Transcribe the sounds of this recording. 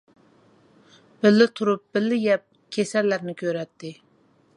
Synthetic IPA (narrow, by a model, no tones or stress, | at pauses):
b̥ɪlːɪt̪ʰuɾup̚b̥ɪlːɪjɛp̚ | kʲʰesɛlːæɾnɪkʲʰøɾɛt̪ʰːɪ